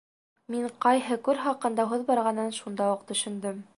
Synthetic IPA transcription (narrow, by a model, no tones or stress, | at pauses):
miɴqɑjɦɤkʉɾχɑqɤ̆nd̪ɑɦoðbɑɾʁɑnɤnʃund̪ɑuqt̪ɵ̆ʃɘ̆nd̪ɵm